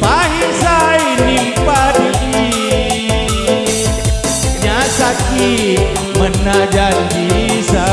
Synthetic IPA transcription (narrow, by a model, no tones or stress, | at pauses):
paɦisajnimpaduki | ɲasak | i | mənad͡ʒand͡ʒisa